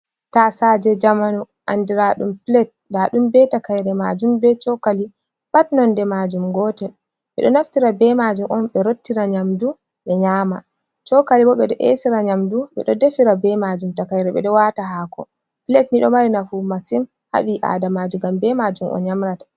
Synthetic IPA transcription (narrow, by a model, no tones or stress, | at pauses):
tasad͡ʒɛd͡ʒamanu | ʔandiɾaɗumpilɛt̚daɗumbɛtakajɾɛmad͡ʒumbɛt͡ʃɔkali | ɓatnɔndɛmad͡ʒumɡɔːtɛ | ɓɛ̰ɗɔnaftiɾabɛmad͡ʒumʔɔnɓɛɾotːiɾaɲamdu | ɓɛɲaːma̰ | t͡ʃɔkaliɓɔɓɛɗɔʔesiɾaɲamduɓɛ̰ɗɔdefiɾabɛmad͡ʒumtakajɾɛɓɛ̰ɗɔwataɦaːkɔ | pilɛtniɗɔmaɾinafumasim | ha̰ɓiʔa̰damad͡ʒumɡambɛmad͡ʒumʔɔ̰nɲamɾatḁ